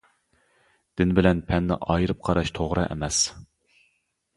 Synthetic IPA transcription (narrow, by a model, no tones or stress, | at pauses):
d̪̥ɪnbɪlɛnpʰɛnːɪ̰ʔɑjɾɨp̚qʰɑɾɑʃt̪ʰoʁɾɨ̰ʔɛ̰mɛs